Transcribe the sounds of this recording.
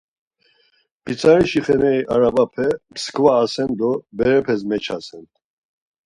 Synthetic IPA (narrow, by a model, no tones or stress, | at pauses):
pʰit͡sʰʼaɾiʃiχɛnɛiʔaɾabapʰɛmskʰʼvaːsɛnd̪ɔbɛɾɛpʰɛsmɛt͡ʃʰa̰sɛnt̪